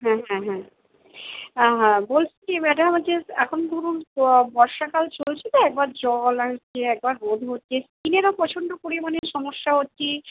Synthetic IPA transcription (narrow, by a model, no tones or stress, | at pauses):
ɦɛ̃ɦɛ̃ɦɛ̃ | aɦɛ̃bolt͡ɕʰikebɛʈaamad͡ʑeɛkʰond̪ʱuɾunbɔɾʃakalt͡ɕolt͡ɕʰit̪oɛk̚baɾd͡ʑɔlat͡ɕʰeɛk̚baɾɦod̪ʱɦot̪ːɕeskineɾapɔt͡ɕʰoɳɖopoɾimaneʃɔmoʃːaɦotːʃi